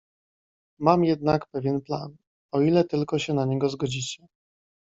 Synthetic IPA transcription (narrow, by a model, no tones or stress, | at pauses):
mamjɛd̪nakpɛvʲjɛnpla̰n | ɔilɛt̪ɘlkɔɕɛnaɲɛɡɔzɡɔd͡ʑit͡ɕɛ